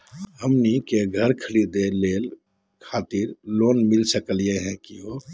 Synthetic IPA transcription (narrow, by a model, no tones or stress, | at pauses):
ɦəmnikeɡʱəɾkʰəlid̪eleːl | kʰaːt̪iɾloːnmɪlsəkəlijeɦɛ̃kiɦo